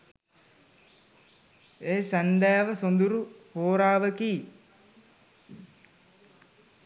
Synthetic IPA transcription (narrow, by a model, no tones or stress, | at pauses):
eːsænɖ̪æːʋəsond̪uɾuhoːɾaːʋəkiː